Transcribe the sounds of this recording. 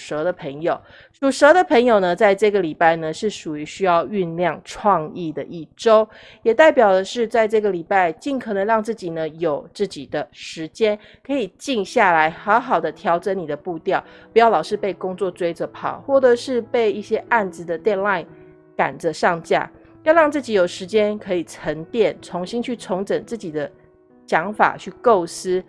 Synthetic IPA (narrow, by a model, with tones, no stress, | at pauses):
ʂə˧˥d̪ə˧pʰə˧˥ŋjo˨˩ʊ | ʂu˨˩ʂə˧˥d̪ə˨pʰə˧˥ŋjo˨˩ʊnə˦t͡sa˥˧ɪʈ͡ʂɤ˥˩ɡə˩li˨˩pa˥˩ɪnə˨ʂɻ̩˥˩ʂu˨˩y˧˥ɕy˥jɑ˥˧ʊy˥˧nljɑ˥˧ŋʈ͡ʂʰwɑ˥˧ŋi˥˩d̪ə̰˩ʔi˥˩ʈ͡ʂo˥ʊ | jɛ˨˩t̪a˥˩ɪpjɑ˨˩ʊd̪ə˦ʂɻ̩˥˧t͡sa˥˧ɪʈ͡ʂɤ˥˩ɡə˨˩li˨˩pa˥˧ɪt͡ɕi˥˩nkʰə˨˩nə˧˦ŋɻɑ˥˧ŋt͡sɹ̩˥˩t͡ɕi˨˩nə˦jo˨˩ʊt͡sɹ̩˥˩t͡ɕi˨˩d̪ə˦ʂɻ̩˧˥t͡ɕjɛ˥n | kʰɤ˧˦˥i˨˩t͡ɕi˥˧ŋɕja˥˩la˧˥ɪxɑ˧˥ʊxɑ˨˩ʊd̪ə˦t̪ʰjɑ˧˥ʊʈ͡ʂə˧˦ni˨˩d̪ə˦pu˥˧t̪jɑ˥˩ʊpu˧˥jɑ˥˩ʊlɑ˨˩ʊʂɻ̩˥˧pe˥˩ɪkʊ˥ŋt͡swɔ˥˩ʈ͡ʂwe˥ɪʈ͡ʂə˨˦pʰɑ̰˨˩ʊxwɔ˥˩ʈ͡ʂɤ˨˩ʂɻ̩˥˧pe˥˧ɪi˥˩ɕjɛ˥ʔa˥˩nd͡zɹ̩˨˩d̪ə˨t̪jɛ˥˧nla˥˧ɪn | ka̰˨˩nʈ͡ʂə˦ʂɑ˥˧ŋt͡ɕja̰˥˩ | jʊɻɑ˥˧ŋt͡sɹ̩˥˩t͡ɕi˧˥jo˨˩ʊʂɻ̩˧˥t͡ɕjɛ˥nkʰɤ˧˥i˨˩ʈ͡ʂʰə˧˥ŋt̪jɛ˥˩nt͡sʰo˧˥ŋɕi˥nt͡ɕʰy˥˩t͡sʰo˧˥ŋʈ͡ʂə˨˩ŋt͡sɹ̩˥˩t͡ɕi˨˩d̪ə˦ | ɕjɑ˧˥ŋfa̰˨˩t͡ɕʰy˥˧ko˥˩ʊsɹ̩˥